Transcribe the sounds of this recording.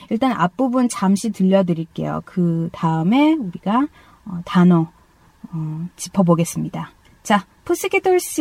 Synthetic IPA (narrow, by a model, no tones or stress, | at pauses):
iɭt͈anʔa̰p͈ubunt͡ɕamɕʰitɯʎːʌdɯɾiɭk͈e̞̰jo̰kɯtaɯme̞uɾiɡa | ʌtanʌ | ʌt͡ɕi̥pʰʌboɡe̞s͈ɯmɲida | t͡ɕa | pʰos͈ʰɯkʰetʰoɭs͈